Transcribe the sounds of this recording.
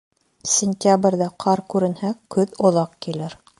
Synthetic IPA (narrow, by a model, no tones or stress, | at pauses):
sʲɪnʲtʲabrʲðæqʰɑɾkʉɾɘ̆nhækɵðŏðˠɑqkilɘɾ